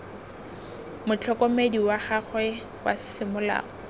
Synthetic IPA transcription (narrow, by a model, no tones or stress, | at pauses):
mʊt͡ɬʰɔkomediwaχaχwɛ | wa̰sɪ̥sɪmʊla̰ːɔ